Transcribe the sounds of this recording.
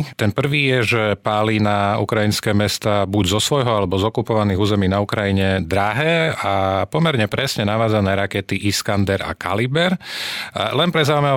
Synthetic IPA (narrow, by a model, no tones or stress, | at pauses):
t̪ɛnpr̩ʋiːjɛʒɛpaːlinaṵkɾajinskɛːmɛst̪aːbuɟzɔsʋɔjɦɔalɛbɔzɔkupɔʋaniːɣuːzɛmiːnaukɾajiɲɛd̪ɾaɦɛːapɔmɛɾɲɛpɾɛsɲɛnaʋaːd͡zanɛːɾakɛt̪iʔiskand̪ɛɾa̰ka̰libɛɾ | lɛnpɾɛzaːumɛ